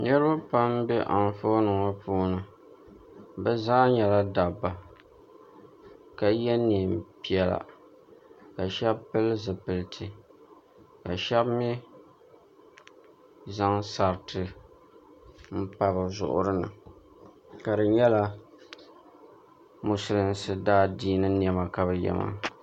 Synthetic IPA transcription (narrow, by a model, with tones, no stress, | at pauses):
ɲɛ˦ɾɨ˦ʊ˦pa˦mbɛ˦ʔa˨n˨fo˦nɨ˨ŋa˦puː˦nɨ˨ | bɛ˦zaː˦ɲɛ˨la˦da˨bːa˨ | ka˨jɛ˦ni˨m˨pi˦ɛ˨la̰˨ | ka˨ʃɛ˦bpɨ˦lzɨ˨pɨ˨ltʰɨ˨ | ka˨ʃɛ˦bmɛ˦ | za˦ŋsa˨ɾtʰɨ˨ | m̩˦pa˦bɨ˨zʊ̰˨ʔʊ̰˦ɾɨ˦nɨ̰˨ | ka˨dɨ˨ɲɛ˦la˦ | mʊ˨sʊ˨ɾɨ˦n˦sɨ˨daː˦diː˦nɨ˦n˨ɛ˨ma˨ka˨bɨ˨jɛ̰˨ma̰˦